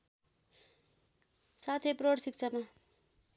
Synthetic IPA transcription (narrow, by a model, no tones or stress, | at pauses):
sat̪ʰepɾoɽsik̚t͡sʰama